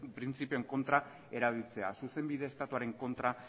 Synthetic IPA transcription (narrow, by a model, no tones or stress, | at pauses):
pɾint͡sipio̞eŋko̞nt̪ɾa | e̞ɾaβ̞ilt͡se̞a̰suse̞mbiðeːst̪at̪uaɾe̞ŋko̞nt̪ɾa